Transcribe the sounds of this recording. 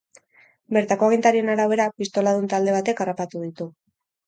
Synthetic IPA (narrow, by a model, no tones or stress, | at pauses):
be̞ɾt̪ako̞aɣint̪aɾie̞naɾaβe̞ɾapist̪o̞laðunt̪ald̪e̞β̞at̪e̞karapat̪uðit̪u